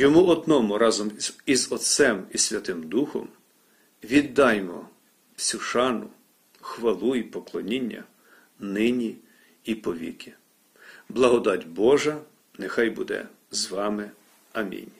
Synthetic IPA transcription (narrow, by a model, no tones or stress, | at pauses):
jɔmuɔd̪nɔmʊɾɑzɔmizɔt̪sɛmisʲʋʲɐt̪ɪmd̪uxɔ̰m | ʋʲid̪ːɑjmɔ̰ | sʲuʃɑnʊ | xʋɐlˠuipɔklˠɔnʲinʲːɐ̰ | nɪnʲi | ipɔʋʲḭkʲɪ̥ | blˠɐɦɔd̪ɑtʲbɔʒɐ | nexɑjbud̪ɛ̰ | zʋɑmɪ | ɐmʲḭnʲ